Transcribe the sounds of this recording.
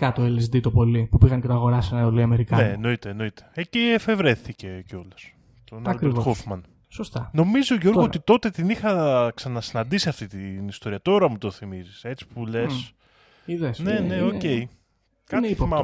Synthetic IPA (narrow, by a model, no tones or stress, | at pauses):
kɐt̪oelesd̪it̪o̞po̞lipupiɣɐncet̪oɐɣo̞ɾɐsenoliɐmeɾikɐneeno̞it̪eːno̞it̪e̥eciefe̞vɾe̞θice̞ceo̞les | t̪onɐkɾoɾvxofmɐn | sost̪ɐno̞mizoʝo̞ɾɣoot̪it̪o̞t̪e̞t̪inixɐksɐnɐsinɐnd̪isiɐft̪it̪inist̪o̞ɾiɐt̪o̞ɾɐmut̪o̞θimizise̞t͡si̥pule̞s | iðesne̞ne̞ocei | kɐimɐ